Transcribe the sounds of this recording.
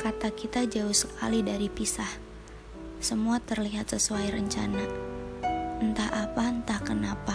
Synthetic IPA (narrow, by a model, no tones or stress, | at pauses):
kat̪akit̪ad͡ʒaʊhsəkʰa̰lidaɾipisah | səmuat̪ərliɦat̪̚səsuajɾəɲt͡ʃana | nt̪aɦʔapant̪ahkənapa